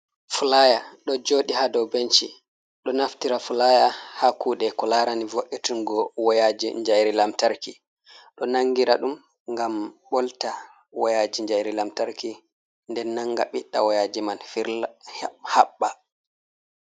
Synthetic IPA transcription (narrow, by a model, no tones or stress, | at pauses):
fulajaɗɔd͡ʒoːɗihadɔwbent͡ʃi | ɗɔnaftiɾafulajahakuːɗɛkɔlaɾanivoʔːitinɡɔwajad͡ʒiɲd͡ʒajɾilamtaɾki | ɗɔnaŋːɡiɾa̰ɗum | ŋɡamɓɔlta | wajad͡ʒiɲd͡ʒajɾilamtaɾki | ndɛnːaŋɡa̰ɓiɗːawajad͡ʒimanfiɾhhaɓːa